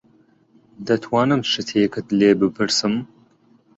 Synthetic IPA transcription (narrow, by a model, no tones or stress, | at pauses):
d̪ɐt̪ʰwɑːnɨmʃɨt̪ʰeːkɨt̪leːbɨpʰɨɾsɨm